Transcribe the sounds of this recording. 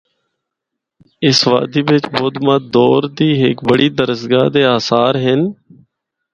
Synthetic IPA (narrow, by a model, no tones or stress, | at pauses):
ɪsʋa̰ːd̪iːʋɪt͡ʃboːd̪mãːd̪ɔːɾd̪iːɦeːkbəɽiːd̪əɾəzɡaːd̪eːaːsaːɾɦɪn